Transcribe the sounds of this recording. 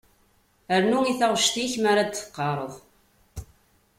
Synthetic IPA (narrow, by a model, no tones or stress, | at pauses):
əɾnuŋiθaʁʃt̪içmaɾad̪θə̥qːɑɾˤəðˤ